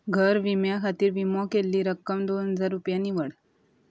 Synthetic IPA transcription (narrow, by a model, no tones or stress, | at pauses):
ɡʱəɾʋimjakʰat̪iːɾʋimɔkelːiːɾəkːəmd̪onɦəd͡zaɾːupjaniʋəɽ